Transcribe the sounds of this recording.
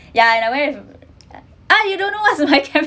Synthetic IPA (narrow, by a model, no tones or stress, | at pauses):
jaɛ̃nawɛɪf | ʔajudõnːowatsmaɪkʰɛ̃